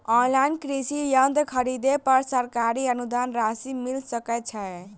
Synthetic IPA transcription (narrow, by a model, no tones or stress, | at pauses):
ɔnlainkɾisijənd̪ʱkʰəɾid̪epəɾsəɾkaɾiənud̪anɾasimilsəkɛt̪̚t͡ʃʰɛ